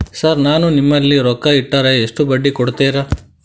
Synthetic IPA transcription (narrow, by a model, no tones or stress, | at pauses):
sɐɾnaːnunimːɐlːiɾɔkːɐiʈːɐɾeːʂʈubɐɖːikɔɽt̪eːɾɐ